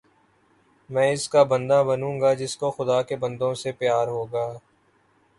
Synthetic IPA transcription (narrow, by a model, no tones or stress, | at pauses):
mɛ̃ːɪskabɐ̃nd̪abɐnũːŋɡad͡ʒɪskoxʊd̪aːkebɐ̃nd̪õsepjaːɾɦoːɡaː